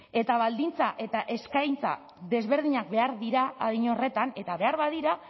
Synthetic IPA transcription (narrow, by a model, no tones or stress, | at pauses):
e̞t̪aβald̪int͡saʔe̞t̪aʔe̞skajnt͡sa̰ | ðe̞zβe̞ɾðiɲakbe̞aɾðiɾaːðiɲore̞t̪ane̞t̪aβe̞aɾβaðiɾa